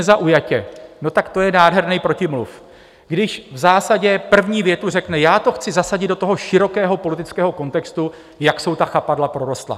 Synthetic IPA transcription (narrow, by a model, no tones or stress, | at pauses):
zaʔujacɛno̞t̪akt̪o̞jɛnaːdɦɛɾnijpɾo̞cɪmlṵf | ɡdɪʃvzaːsaɟɛpr̩vɲiːvjɛt̪ur̝ɛknɛjaːt̪o̞xt͡sɪzasaɟɪd̪dot̪oɦo̞ʃɪɾo̞kɛːɦo̞po̞lɪt̪ɪt͡skɛːɦo̞ko̞nt̪ɛkst̪u | jakso̞wt̪axapadlapɾo̞ɾo̞st̪la̰